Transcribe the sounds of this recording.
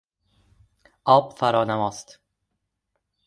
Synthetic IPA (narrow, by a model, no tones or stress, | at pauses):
ʔɒːbfæɾɒːnæmɒːst̪